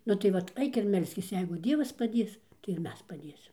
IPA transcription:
nʊ tɐɪ ˈʋɐt ˈɐɪk ɪr ˈmʲɛlʲsʲkʲɪs ˈjɛɪɡʊ ˈdʲiɛʋɐs pɐˈdʲeːs tɐɪ ɪr ˈmʲɛs pɐˈdʲeːsʲɪm

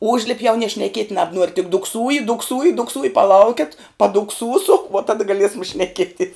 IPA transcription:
ˈʊʒʲlʲɪpʲ jɛʊ nʲiɛ ʃʲnʲɛˈkʲiɛtʲ nɐbˈnuɔrʲ tʲɪk dʊkˈsuːjɪ dʊkˈsuːjɪ dʊkˈsuːjɪ pɐˈlˠɐʊkʲɛt pɐdʊkˈsuːsʊ ʋuɔ ˈtɑːdɐ ɡɐˈlʲiɛsɐm ʃʲnʲɛˈkʲiɛtʲiɛs

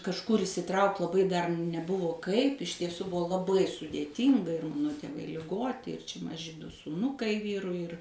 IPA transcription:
kɐʃˈkʊr ɪʃʲsʲɪˈtrɐʊkt lˠɐˈbɐɪ dɐr nʲɛˈbʊʋoː ˈkɐɪp ɪʃ tʲiɛˈsuː ˈbʊʋoː lˠɐˈbɐɪ sʊdʲeːˈtʲiːŋɡɐ ɪr ˈmɑːnoː tʲeːˈʋɐɪ lʲɪˈɡoːtʲɪ ɪr t͡ʃʲɛ mɐˈʒʲɪ dʊ suːˈnʊkɐɪ ˈʋʲiːrʊɪ ɪr

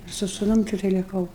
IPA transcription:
sʊ sʊˈnʊm tʲɪkˈtɐɪ lʲɪˈkɐʊ

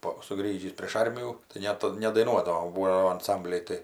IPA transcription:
ˈpoː sʊˈɡrʲiːʒʲiːs pʲrʲeːʃ ˈɐrʲmʲɪjuː tɐɪ ˈnʲɛt nʲɛdɐɪˈnuɔdɐʋoːm ˈbuːoː jɛʊ ɐnˈsɐmʲbʲlʲɛɪ ˈtɐɪ

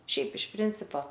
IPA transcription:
ˈʃʲɛɪp ɪʃ ˈpʲrʲɪnʲt͡sʲɪpoː

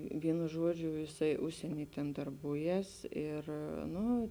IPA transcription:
ˈʋʲiɛnʊ ˈʒuɔd͡ʒʲʊ jɪˈsɐɪ ˈʊʃʲsʲiɛnʲiː tʲɛn dɐrˈbuːˌjɛs ˈɪr ˈnʊ

